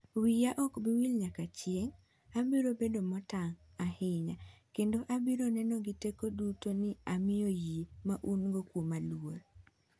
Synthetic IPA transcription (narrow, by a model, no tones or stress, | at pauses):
wijaʔɔkbɪwilɲakat͡ʃjeŋ | abiɾobedomɔtaŋ | ahɪɲakendoʔabiɾonɛnɔɡɪtekodutonɪamɪjojimaʔunɡokwomalwoɾ